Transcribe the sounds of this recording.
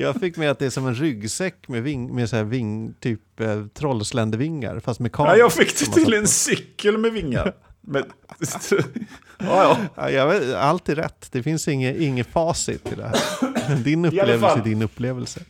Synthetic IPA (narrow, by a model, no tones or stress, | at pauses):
jɑːɡfɪkːmɛat̪̚d̪ɛæʂɔmɛnɾʏɡsɛkːmɛvɪŋmɛsæːvɪŋt̪ʰyːpt̪ʰɾɔlslɛnd̪əvɪŋːa̰ɾfast̪mɛkʰɑːjɑːfɪkːt̪ʰmt̪ʰɪlɛnsʏkːəlmɛvɪŋːa̰ɾmɛ | ɑjɑa̰jɑalt̪ʰiːd̪ɾɛ̰t̪ːd̪̥ɛfɪnsɪŋːəʔɪŋːəfɑːsɪ̰t̪ʰːɪ̰ld̪ɛ̰hæːɾd̪ɪnɵpleːvɪd̪ɪnɵpːleːvəlsə